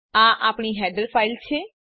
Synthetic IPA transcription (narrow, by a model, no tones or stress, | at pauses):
ãːʔaːpɳ̃iːɦɛːɖəɾpʰaːɪlt͡ʃʰeː